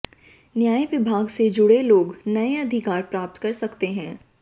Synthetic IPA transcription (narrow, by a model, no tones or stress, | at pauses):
njaːjiʋɪbʱaːɡsed͡ʒʊɽeloːɡnɐeɐd̪ʱɪkaːɾpɾaːp̚t̪kɐɾsɐkt̪eɦɛ̃ː